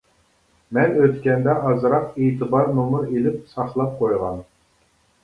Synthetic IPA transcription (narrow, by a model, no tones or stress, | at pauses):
mɛnøt̪kʲɛnd̪ɛʔɑzɾɑqeːt̪ʰɨbɑɾnomʊɾelɪp̚sɑχlˠɑp̚qʰojʁɑn